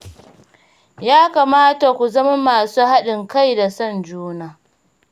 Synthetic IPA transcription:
jaː˦kaː˨maː˦ta˨kʷu˨zɐ˦ma˦maː˨suː˦ha˦ɗɪ˨ŋka˦jda˨sɐ˦˨nd͡ʒuː˦naː˨

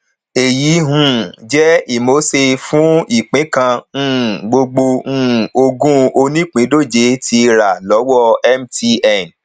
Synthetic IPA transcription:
e˨ji˨˦ɦũ˨d͡ʒɛ˦i˦˨mo˨˦se˧fũ˦i˦˨k͡pĩ˨˦kã˧˦˨ | ɡ͡bo˧ɡ͡bo˧ũ˦o˧ɡũ˦o˧nĩ˦k͡pĩ˨˦do˦˨d͡ʒe˧˦ti˧ɾa˨lɔ˨˦wɔ˦ɛ˦mti˧ɛ˦˨n

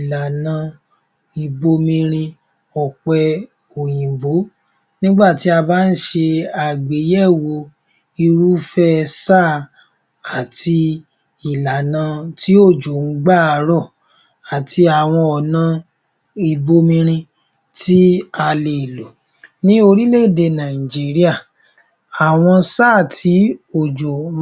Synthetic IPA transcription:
i˨la˨nã˧ | i˧bo˧mĩ˧ɾ̃ĩ˧ | ɔ˨k͡pɛ˧ | o˨jĩ˨bo˨˦ | nĩ˦ɡ͡ba˦˨ti˨˦a˧baː˦n̩˦ʃe˧a˨ɡ͡be˨˦jɛ˦˨wo˧ | i˧ɾu˦fɛ˦˧sa˦˨ | a˨ti˧ | i˨la˨nã˧tʰi˦o˦˨d͡ʒo˨ŋ̩˦ɡ͡ba˦˨a˧ɾɔ˦˨ | a˨tʰi˧a˨w̃ɔ̃˧ɔ˨nã˧˦ | i˨bo˧mĩ˧ɾ̃ĩ˧ | tʰi˦a˧le˨lo˨ | nĩ˦o˧ɾi˦le˦˨de˧nã˨i˨d͡ʒi˨˦ɾi˦a˦˨ | a˨w̃ɔ̃˧saː˦˨tʰi˨˦o˦˨d͡ʒo˨˦

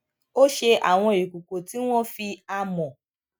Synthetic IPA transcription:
o˦ʃe˦ʔa˨ŋʷɔ˦i˨kʷu˨ko˨ti˦ŋʷɔ˦fi˦a˦mɔ˨

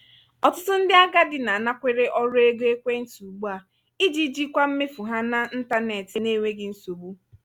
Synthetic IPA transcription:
ɔ˨tʊ˦tʊ˦n̩˦dɪ˦a˦ɡa˦dɪ˨na˨na˦kʷe˦ɾe˦ʔɔ˦ɾʊ˦e˦ɡe˦kʷe˦n̩˦tu˨ɡ͡bu˦a˨ | i˦d͡ʒi˦d͡ʒi˦kʷa˦m̩˦me˦fu˨ɦa˦na˨n̩˦ta˦ne˨tɪ˨ne˦˨ŋʷe˦ɡɪ˨n̩˦so˨bu˦

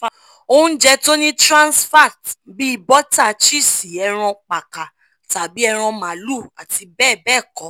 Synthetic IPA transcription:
o˦˧ũ˦d͡ʒɛ˦to˦nĩ˦tɾã˦nsfa˦˨tbi˦i˦˧bɔ˦ta˦˨t͡ʃi˦si˨ɛ˧ɾ̃ɔ̃˧k͡pa˨ka˨ | ta˨bi˨˦ɛ˧ɾ̃ɔ̃˧mãː˨˦lu˦˨a˨ti˧bɛː˦˨bɛː˦˨kɔ˨˦

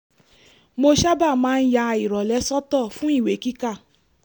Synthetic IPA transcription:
mo˧ʃa˦ba˦˨mãː˦˧n̩˦ja˧i˨ɾɔ˨lɛ˨˦sɔ˦tɔ˦˨fũ˦i˦˨we˨˦ki˦ka˦˨

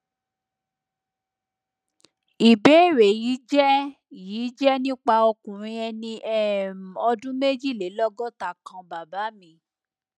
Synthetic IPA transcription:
i˨be˨˦˨ɾe˨ji˨˦d͡ʒɛ˦ | jiː˨˦d͡ʒɛ˦nĩ˦k͡pa˧o˧kũ˨ɾ̃ĩ˧ɛ˧nĩ˧ɛ˦˨m˨ɔ˧dũ˦me˦d͡ʒi˦˨le˨˦lɔ˦ɡɔ˦˨ta˦˨kã˧ba˨ba˨˦mĩ˧

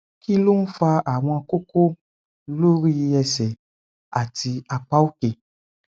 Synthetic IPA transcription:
ki˦lo˦ñ̩˦fa˧a˨w̃ɔ̃˧a˧ko˦ko˦ | lo˦ɾi˦ji˧ɛ˧sɛ˨ | a˨ti˧a˧k͡pa˦o˦ke˨

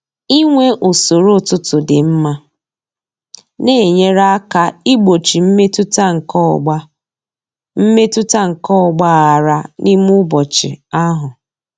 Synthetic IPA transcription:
i˦ŋʷe˦ʔo˨so˨ɾo˦˨tʊ˦tʊ˨dɪ˨m̩˦ma˦ | ne˦˨e˨ɲe˦ɾa˦ka˦i˦ɡ͡bo˨t͡ʃi˨m̩˦me˦tʊ˦tŋ̩˨kɔ˦ɡ͡ba˦ | m̩˦me˦tʊ˦ta˦ŋ̩˨kɔ˦ɔ˨ɡ͡ba˦ɣa˨ɾa˦ni˦mʊ˦bɔ˨t͡ʃɪ̰˨a˦ɦʊ˨

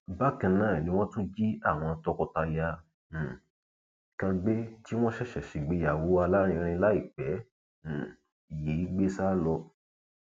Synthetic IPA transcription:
ba˦˨kã˧nã˦˨e˨nĩ˨˧w̃ɔ̃˦tũ˦d͡ʒi˦a˦˨w̃ɔ̃˧tɔ˧kɔ˧ta˧jã˧˨ | kã˧ɡ͡be˦ti˦w̃ɔ̃˦ʃɛ˦˨ʃɛ˨ʃi˨ɡ͡be˨˧˦ja˨wo˨˦a˧la˦ɾ̃ĩ˧ɾ̃ĩ˧la˦i˦˨k͡pɛ̃˨˦˨ | ji˨˦ɡ͡be˦sa˦lɔ˧

